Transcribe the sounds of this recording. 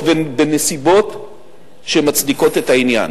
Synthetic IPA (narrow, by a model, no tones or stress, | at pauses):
vebenesibo̞t | ʃemat͡sd̪iko̞te̞tainja̰n